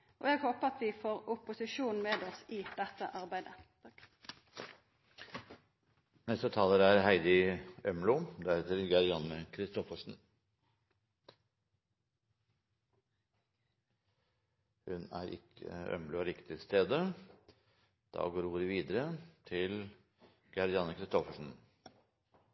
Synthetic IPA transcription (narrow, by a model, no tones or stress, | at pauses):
ʔɔ̰jæɡhoːpəɑt̪ʋɪfoːʁʊpʊsɪʃuːn̩meːd̪ɔsɪd̪̥ɛt̪ːə̰ʔɑʁbæɪd̪ə | nɛst̪ət̪ʰɑːləɾæɾɦæɪd̪ɪœmlʊd̪æɾheːt̪əɾɡɑɾɪɑnəkʰɾɪst̪ɔfəʂn̩ | hʉnæ̰ːɾɪ̰kʰːə̰œ̰mlʊɾɪkt̪ɪst̪eːd̪ə | d̪̥ɑ̰ːɡoːɾuːɾəʋiːd̪əɾət̪ʰɪl | ɡ̥ɑɾɪɑnəkʰɾɪst̪ɔfəʂn̩